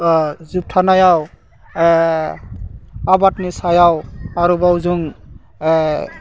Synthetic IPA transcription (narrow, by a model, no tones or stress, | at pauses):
zup̚tʰanajaw | abatnisajawaɾubawzuŋ